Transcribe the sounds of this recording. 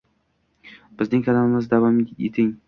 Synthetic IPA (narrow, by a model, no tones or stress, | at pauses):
b̥ɪznɪŋkʲʰalamɪmɪzd̪avɒmḛt̪ʰɪŋ